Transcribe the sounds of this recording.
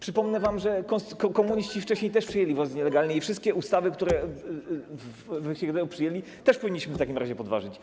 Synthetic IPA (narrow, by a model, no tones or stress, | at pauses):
pʂɘpɔmnɛvamʐɛkɔskɔkɔmuɲiɕt͡ɕift͡ʂɛɕɲejt̪ɛʂpʂɨjelʲivwazɲelɛɡalnɛifʂɘst̪̚kʲɛʔust̪avɘkt̪uɾɛ | v | vkɕɛɡd̪jɔ̃pʂɘjelʲi | t̪ɛʂpɔvʲiɲːiɕmɘft̪akʲimɾaʑɛpɔd̪va̰ʐɘt͡ɕ